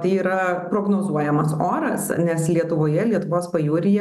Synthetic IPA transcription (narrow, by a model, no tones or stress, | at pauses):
t̪ɐɪiːɾɐpɾoːɡnoːzuɔjɛmɐsoːɾɐsnʲɛslʲiɛt̪ʊʋoːjɛlʲiɛt̪ʊʋoːspɐjuːɾʲɪjɛ